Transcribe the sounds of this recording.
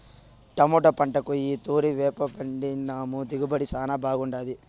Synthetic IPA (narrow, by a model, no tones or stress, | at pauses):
ʈɐmuːʈɐpɐɳʈɐkuiːt̪uːɾiʋɛːpɐbɐɳɖinaːmud̪iɡubɐɽisaːnabaːɡuɳɖaːd̪i